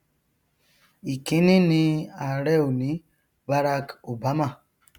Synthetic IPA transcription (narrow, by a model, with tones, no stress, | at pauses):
i˨ki˦ni˦ni˦a˨ɾɛ˦wu˨ni˦ | ba˦ɾa˦ko˨ba˨˦ma˨